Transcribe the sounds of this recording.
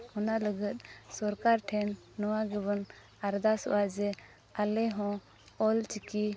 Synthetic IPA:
hɔnaləɡət̪̚ˀsɔɾkaɾʈʰɛnː | ɔwaɡɛbɔn | aɾd̪asɔ̰ʔad͡ʒɛ | alɛɦɔ̃ | ɔlt͡ʃiki

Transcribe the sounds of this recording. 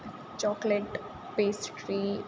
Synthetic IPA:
t͡ʃɔːkleʈ | peːsʈɾiː

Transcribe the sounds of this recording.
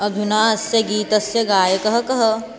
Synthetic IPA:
ɐd̪ʱunaːɐsjɐɡiːt̪ɐsjɐɡaːjɐkɐɦɐ̆kɐɦɐ

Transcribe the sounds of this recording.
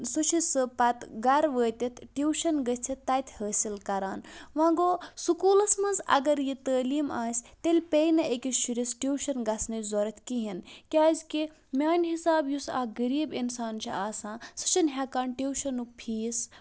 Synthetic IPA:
sut͡ʃʰisɨpɐt̪ɡɐɾʋəːt̪ʲɐt̪ʰʈiwʃɐnɡɐt͡sʲʰit̪ːɐt̪ʰʲhəːsilkɐɾaːnʋãːɡoːsukuːlɐsmɐnzɐ̰ɡɐɾjit̪əːliːmaːsʲt̪elʲpeːjnɐʔekʲiʃuɾisʈiːwʃɐnɡɐsnɐzɔɾɐt̪ʰʲkiɦinkʲaːzʲki | mʲaːnʲɦisaːbjusa̰ːɡəɾiːbinsaːnt͡ʃʰḭaːsãːsɨ̥t͡ʃʰɐnɦɐkaːnʈiːwʃɐnuk̚pʰiːs

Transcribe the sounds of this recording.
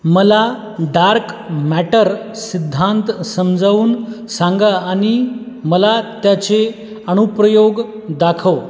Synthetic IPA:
məla | ɖaɾkmæʈəɾ | sid̪ʱːant̪səmd͡zaʋuːnsãŋɡaːɽ̃i | məlat̪jat͡se | əɽ̃upɾəjoɡ | d̪akʰəʋ

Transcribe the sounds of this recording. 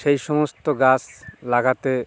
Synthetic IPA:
ʃejʃɔmost̪oɡaslaɡat̪e

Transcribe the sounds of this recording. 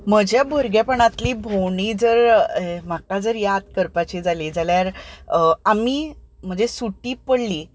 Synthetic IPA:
m̤əd͡ʑjabʱoɾɡjapəɳat̪liːbʱowɳiːd͡zəɾem̤akad͡zəɾjat̪kəɾpat͡ɕiːd͡zalid͡zaljaɾ | amiːm̤əd͡zesuʈiːpəɽliː

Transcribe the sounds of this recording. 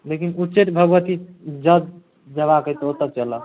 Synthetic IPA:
lekinuʈt͡ʃeʈbʱəɡʋət̪id͡ʒəd̪̚ | d͡ʒəβakət̪əot̪ət͡ʃələ

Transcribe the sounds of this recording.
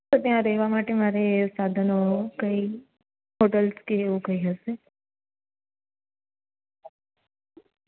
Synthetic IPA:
ət̪jãɾeʋamaʈemaːɾesad̪ʱənokəi | ɦoʈəlskeːʋũkəiɦəse

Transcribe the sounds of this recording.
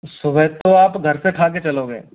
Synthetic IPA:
sʊʋəjt̪oaːpɡʱɐɾseʈʰaːket͡ʃɐloːɡḛː

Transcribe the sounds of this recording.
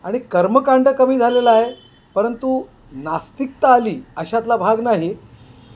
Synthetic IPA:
aɽ̃ikəɾməkaɳɖəkəmiːd͡zʱalelaːɦe | pəɾənt̪u | nast̪ik̚t̪aːliːəɕat̪̬labʱaɡnaɦi

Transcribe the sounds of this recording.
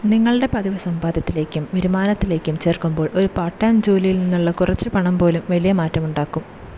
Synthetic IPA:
niŋːɐɭɽe̞pɐðiʋɐsɐmbaːd̪ʱjɐt̪ːile̞ːkʲːumʋiɾumaːnɐt̪ːile̞ːkːumt͡ɕe̞ːrkumbo̞ːɭʔo̞ɾupaːʈːaːmd͡ʑoːlijilninːuɭːɐkurɐt͡ɕːɨpɐɳɐmpo̞ːlumʋɐlijɐmaːtːɐmuɳɖaːkːum

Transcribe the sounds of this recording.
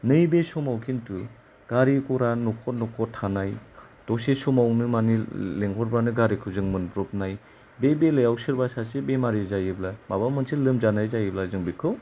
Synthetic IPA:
nɯjbesɔmawkʰintu | ɡ̥aɾikɔɾanukʰɔt̚nɔkʰɔtʰanaj | d̥ɔsesɔmawnɯmanileŋɡʰɔɾbɾanɯɡaɾikʰɯzɯŋmɯnbɾɔp̚naj | bebelɯjawsɯɾbasasebemaɾizajiblamabamɯnsʰilɯmzanajzajiblazɯŋbikʰɯw

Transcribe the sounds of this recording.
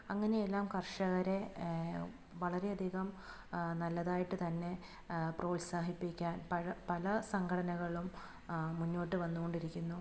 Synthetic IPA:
ɐŋːɐne̞jelːaːmkɐrʂɐɣɐɾe̞ | ʋɐɭɐɾe̞ɐd̪ʱiːɣɐm | nɐlːɐðaːjiʈːɨt̪ɐnːe̞ | pro̞ːlsaːɦipːikʲːaːnpɐɻɐpɐlɐsɐŋɡʰɐɽɐnɐɣɐɭumː | uɲːo̞ːʈːɨʋɐnːuɣo̞ɳɖiɾikʲːunːu

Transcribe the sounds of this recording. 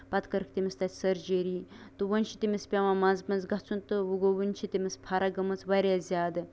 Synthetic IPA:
pɐt̪kɐɾɨkʰt̪ʲimʲist̪at̪ʲsɐɾd͡ʒeɾiːt̪ɨʋənʲʃʰit̪ʲimʲispʲamamanzbɐnzɡɐt͡sʰunt̪ɨʋuɡoʋɐnʲt͡ʃʰit̪ʲimʲispʰaɾaɡɐmɨt͡sʋaɾʲjazʲaːd̪ɨ

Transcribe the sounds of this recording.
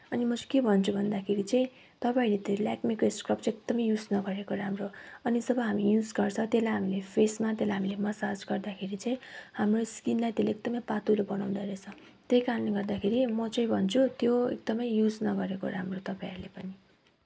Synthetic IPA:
ʌnimʌt͡skebʱʌnt͡sʰubʱʌnd̪akʰeɾit͡sʌ̃ĩ | t̪ʌpaĩlet̪elakmikeskrʌpt͡sek̚d̪ʌmʌjjud͡znʌɡʌɾekoɾamroʌnid͡zʌbʌɦamijud͡zɡʌrt͡sʰʌt̪elajɦamilepʰesmat̪elajɦamilemʌsad͡zɡʌrd̪akʰeɾit͡sʌ̃ĩhamroskinlaj̃t̪eleek̚d̪ʌmʌjpat̪ulobʌnaw̃d̪aɾet͡sʰʌ̃ | t̪ejkaɾʌnleɡʌrd̪akʰeɾimʌt͡sʌ̃ĩbʱʌnt͡sʰut̪joḛk̚d̪ʌmʌjjud͡znʌɡʌɾeko̰ɾamrot̪ʌpaĩɾlepʌni

